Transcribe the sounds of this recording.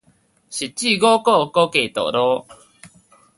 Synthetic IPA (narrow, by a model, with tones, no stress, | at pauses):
ɕi˨t̚t͡ɕi˥˨ɡo˦kɔ˥˧˨ko˦ke˨t̪ɔ̰˨ɾɔ˦